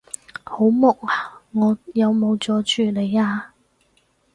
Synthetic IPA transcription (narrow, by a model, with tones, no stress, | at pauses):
ho˨˥wmʊ˨k̚aː˨ŋɔː˨˧jɐ˨˧wmo˨˧wt͡sɔː˨˥t͡ʃyː˨˩le˨˧jaː˧